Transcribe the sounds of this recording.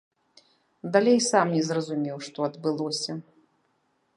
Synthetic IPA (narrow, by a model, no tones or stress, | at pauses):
d̪alʲejsamnʲɛzrɐzumʲɛwʂt̪ɔɐd̪bɨlˠɔsʲɐ